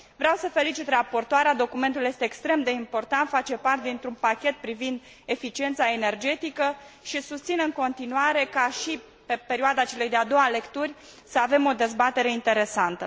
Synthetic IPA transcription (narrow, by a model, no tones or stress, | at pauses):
vɾeawsəfe̞lit͡ʃit̪rapo̞rt̪oaɾead̪o̞kume̞nt̪uljest̪eːkst̪ɾe̞md̪e̞impo̞rt̪ant̪fat͡ʃe̞part̪ed̪int̪ɾunpakʲe̞t̪̚pɾivind̪ | e̞fit͡ʃie̞nt̪sae̞ne̞rd͡ʒe̞t̪ikəʃisust̪sinɨŋko̞nt̪inuaɾe̞kaʃi | pe̞peɾioad̪at͡ʃe̞le̞jd̪ead̪o̞wale̞kt̪urʲ | səave̞mo̞d̪e̞zbat̪e̞ɾe̞int̪e̞ɾe̞sant̪ə